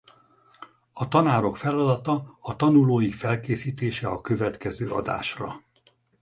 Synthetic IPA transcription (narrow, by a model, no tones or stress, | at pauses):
ɒt̪ɒnaːɾo̞kfɛlɒd̪ɒt̪ɒɒt̪ɒnuloːjikfɛlkeːsiːt̪eːʃɛɒkø̞vɛt̪kɛzøːɒ̰d̪a̰ːʃrɒ̰